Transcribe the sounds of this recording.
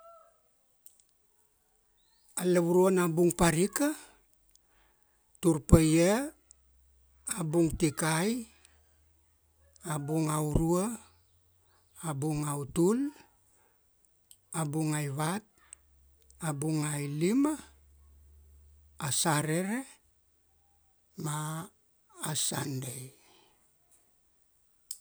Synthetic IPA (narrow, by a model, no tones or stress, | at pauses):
aleβuɾuonabuŋpaɾika | tuɾpeje | abuŋtikaj | abuŋauɾua | abuŋawtul | abuŋajβat̚ | abuŋajlima | saɾeɾe | maː | sa̰ndej